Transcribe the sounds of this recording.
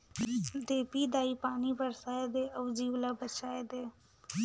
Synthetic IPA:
d̪eːpid̪aːipaːnibəɾsaːed̪eːʔəʋd͡ʒiːʋlabət͡ʃaːed̪eː

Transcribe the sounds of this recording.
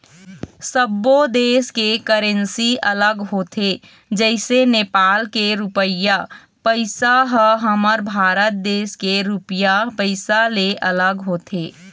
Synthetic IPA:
səbːod̪eːskekəɾẽnsiʔələɡɦoːt̪ʰe | d͡ʒɛɪseneːpaːlkeɾupəja | pəɪsaɦəɦəməɾbʱaːɾət̪̚d̪eːskeɾupjapəɪsaleʔələɡɦoːt̪ʰeː

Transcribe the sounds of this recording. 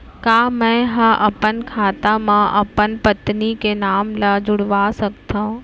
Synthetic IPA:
kaːmɛ̃ɦɐ̃ʔɐpənkʰaːt̪amãʔɐpənpət̪nikenaːmlɐd͡ʒʊɽʋaːsɐkt̪ãũ

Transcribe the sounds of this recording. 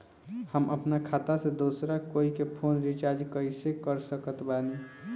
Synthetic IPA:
həmə̰pnakʰat̪ased̪osɾakoikepʰonɾit͡ʃaɾd͡ʒkəisekəɾsəkət̪bani

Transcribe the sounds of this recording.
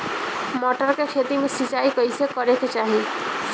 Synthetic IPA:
mɔʈɔɾkekʰet̪imesit͡ʃajkɔjsekɔɾeket͡ʃaɦi

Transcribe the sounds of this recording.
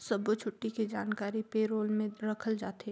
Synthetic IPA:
sɐbot͡ʃʰʊʈːiked͡ʒaːnkaːɾipeːɾoːlmẽɾɐkʰəld͡ʒaːt̪e

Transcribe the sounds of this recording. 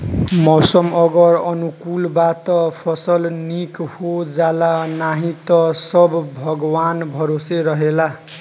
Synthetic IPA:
mʌwsʌmʌɡʌɾʌnukulbat̪ʌpʰʌsʌlnikhod͡zalanaɦĩt̪ʌsʌbbʱʌɡwanbʱʌɾoseɾʌɦela

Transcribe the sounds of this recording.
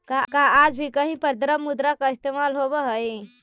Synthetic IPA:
kakaad͡ʒbʱikəɦĩpəɾd̪ɾəmːud̪ɾakaist̪emalɦobəɦəj

